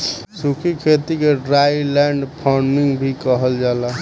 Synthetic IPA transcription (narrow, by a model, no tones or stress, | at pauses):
sukʰikʰet̪ikeɖɾajlaɳɖpʰɔɾiŋɡbʱikəɦəld͡ʒala